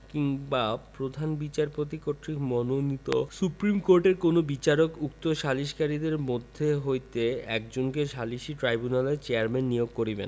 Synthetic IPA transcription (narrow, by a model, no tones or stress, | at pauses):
kiŋbapɾod̪ʱanbit͡ɕaɾpot̪̬ikoʈ̪ɾikmɔnonit̪o̰supɾimkoɾʈeɾkonobit͡ɕaɾokuk̚t̪oʃaliʃkaɾid̪eɾmod̪ʱːeɦojt̪eɛ̰kd͡ʑonkeʃaliʃiʈɾajbunalet͡ɕeaɾmɛnːijoɡ̚koɾibḛn